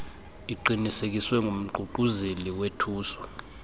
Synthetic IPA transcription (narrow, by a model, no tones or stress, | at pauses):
iǃinisek̬iswɛŋɡʱum̩ɡ͡ǃʱuǃuzeliwetʰuːsɔ̥